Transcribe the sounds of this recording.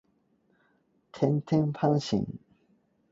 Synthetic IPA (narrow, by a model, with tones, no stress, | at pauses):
t̪ʰɛ˧˥nt̪ʰi˥ŋpʰa˥ŋɕḭ˨˦ŋ